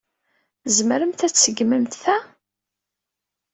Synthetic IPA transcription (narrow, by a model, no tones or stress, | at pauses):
zməɾəmt̪æt͡sːəɡməmt̪θæ